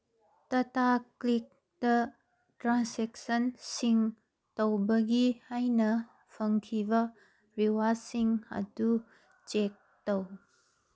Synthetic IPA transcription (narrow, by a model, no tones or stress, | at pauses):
tɐtaklik̚ | dɐ | tɾansek̚sɐnsiŋ | towbɐɡihajnɐ | pʰɐŋkʰibɐ | ɾiwasiŋɐ̰du | t͡ʃek̚ | tow